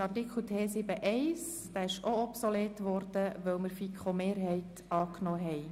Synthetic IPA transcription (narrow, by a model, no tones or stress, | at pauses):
ɑrtikχl̩tʰeːsɪbəʔɛɪs | d̥æːɪʃoɔpsoleːtʋɔɾd̥əʋœwməɾfikχomeːɾɦɛɪt | ɑːknɔːɦɛɪ